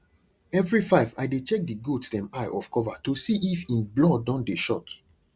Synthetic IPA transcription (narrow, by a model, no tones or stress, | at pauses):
ɛvɹifaɪva̰ɪdet͡ʃɛk̚diɡotsdɛ̃maɪʔɔfkɔvatosiʔifĩnblɔdãʊ̃ndeʃɔ̰t